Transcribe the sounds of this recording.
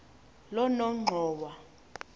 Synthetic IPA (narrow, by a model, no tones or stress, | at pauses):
lɔnɔŋ͡ǃʱɔːwa